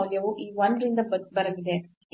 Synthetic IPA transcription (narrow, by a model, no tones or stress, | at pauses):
ljɐʋuʔiːʋɐnd̪ɾind̪ɐbbɐɾɐlid̪e